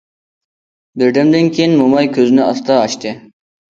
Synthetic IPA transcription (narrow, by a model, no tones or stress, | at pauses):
bɪɾd̪ɛmd̪ɪnkʲʰejinmomɑjkʲʰøznɪɑst̪ʰɑːʃt̪ɨ